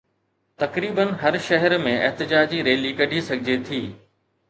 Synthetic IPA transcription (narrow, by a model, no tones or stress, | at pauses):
t̪ɐkɾiːbənɦɐɾʃɐɦəɾmẽɛɦt̪ɪd͡ʑaːd͡ʑiɾeːlikɐɖʱisɐɡʱɪd͡ʑet̪ʰiː